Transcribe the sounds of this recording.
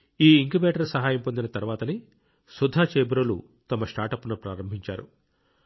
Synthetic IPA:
iːiŋkubeːʈɐɾsɐɦaːjɐmpo̞nd̪inɐt̪ɐɾuʋaːt̪ɐni | sud̪ʱːaːt͡ʃeːbɾolṵ | t̪ɐmɐsʈaːʈɐpːunupɾaːɾɐmbʱiɲt͡ʃa̰ːɾu

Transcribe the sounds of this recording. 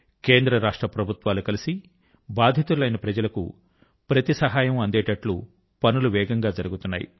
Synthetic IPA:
keːnd̪ɾɐɾaːʂʈɾɐpɾɐbʱut̪ʋaːlukɐlisi | baːd̪ʱjɐt̪ulɐjnɐpɾɐd͡ʒɐlɐkṵ | pɾɐt̪isɐɦaːjɐmɐnd̪ɛːʈɐʈlṵ | pɐnuluʋɛːɡɐŋɡaːd͡ʒɐɾuɡut̪unːa̰ːjḭ

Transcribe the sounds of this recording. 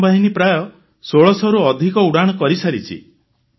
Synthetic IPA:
baɦinipɾajɔ | soɭɔsɔɾuɔd̪ʱikɔuɽaɽ̃ɔkɔɾisaɾit͡ʃʰḭ

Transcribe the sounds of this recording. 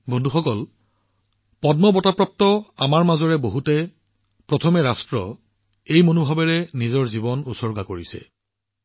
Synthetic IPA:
bɔndʱuxɔkɔl | pɔdmɔbɔtapɹɔp̚tɔamaɹmazɔɹɛboɦutɛ | pɹɔtʰɔmɛɹastɹɔ | ejmonobʱabɛɹɛnizɔɹzibɔnusɔɹɡakoɹisɛ̰

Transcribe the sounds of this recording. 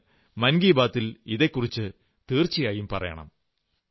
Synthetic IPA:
mɐnɡiːbaːt̪ːiliðe̞kːurit͡ɕːɨ | t̪iːrt͡ɕːijaːjumpɐrɐ̰jɐ̰ɳɐ̰m

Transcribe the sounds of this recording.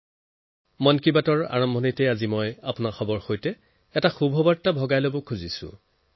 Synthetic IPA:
mɔnkibatɔɹa̰ɹɔmbʱɔnitɛazimɔjapʊnaxɔbɔɹxojtɛ | ɛtaxubʱɔbaɹtːabʱɔɡajlobɔkʰuzisʊ̰̃

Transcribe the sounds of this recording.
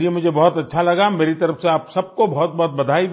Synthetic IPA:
liemʊd͡ʒʱebɔɦʊt̪ɐtːʃʰalɐɡameːɾit̪ɐɾəfseaːpsɐb̚kobɔɦt̪̚bɔɦːt̪̚bɐd̪ʱaːi

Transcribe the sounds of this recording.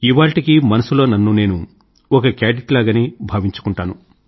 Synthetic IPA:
iʋaːɭʈikimɐnɐsulo̞ːnɐnːune̞ːnu | ɔkɐkeːɖiʈlaːɡɐnibʱaːʋiɲt͡ʃu̥kuɳʈaːnu

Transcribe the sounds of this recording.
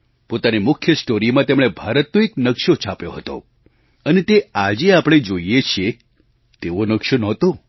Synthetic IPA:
pot̪animʊkʰjəsʈoɾimãt̪emɽ̃ebʱaɾət̪noeknəkʃot͡ʃʰapjoɦət̪o̰ | ənet̪ead͡ʒeapɽ̃ed͡ʒoiet͡ʃʰije | t̪eʋonəkʃonɔ̃t̪o

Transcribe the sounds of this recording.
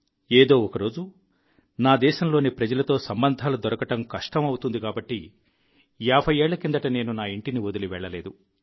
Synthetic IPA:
eːd̪o̞ːɔkɐɾoːd͡ʒu | naːd̪ɛːʃɐmlo̞ːnipɾɐd͡ʒɐlɐt̪o̞ːsɐmbɐnd̪ʱaːlud̪ɔɾɐkɐʈɐmkɐʂʈɐmɐwut̪und̪ikaːbɐʈːi | jaːbʰʱɐjeːɭːɐkind̪ɐʈɐne̞ːnunaːiɳʈiniod̪uliʋɛɭːɐleːd̪u

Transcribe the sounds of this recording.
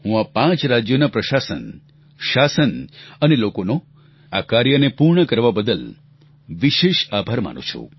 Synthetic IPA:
ɦũapãt͡ʃɾad͡ʒjonapɾəʃasə̰n | ʃasənənelokono | akaɾjənepuɾɳəkəɾʋabəd̪əl | ʋiʃeʃabʱaɾma̰nṵ̃t͡ʃʰṵ

